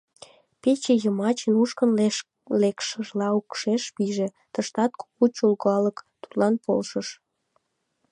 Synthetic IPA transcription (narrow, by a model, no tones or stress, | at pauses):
pet͡ɕejəmɑt͡ɕənuʃkən | lekʃəʒlɑukʃeʃpiʒe | t̪əʃt̪ɑt̪̚ku̥kut͡ɕulɣɑləkt̪u̥t̪lɑnpo̰lʃəʃ